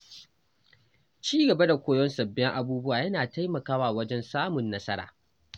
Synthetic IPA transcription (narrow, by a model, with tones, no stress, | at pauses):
t͡ʃiː˦ɡɐ˨ba˦da˨kʷoː˦jɔ˦nsɐ˨bːɛ˦ŋʔa˦buː˦bʊ˦waː˨jɐ˦naː˨ta˦jmɐ˨kaː˦waː˨wɐ˦d͡ʒɛ˦nsaː˦mʊ˨nːɐ˦sɐ˦ɾa̰ː˨